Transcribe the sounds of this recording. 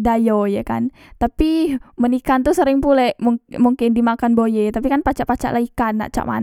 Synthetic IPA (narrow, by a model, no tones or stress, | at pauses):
dajojaka̰n | t̪apimənikant̪usəɾɪŋpulɛmumuŋkɪndimakanbojɛt̪apikanpat͡ʃaʔpat͡ʃa̰ʔlaikanːa̰ʔt͡ʃa̰ʔma̰n